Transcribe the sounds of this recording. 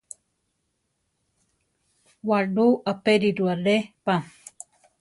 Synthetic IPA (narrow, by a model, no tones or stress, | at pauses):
waɖuʔapeɾiɾuaɾepa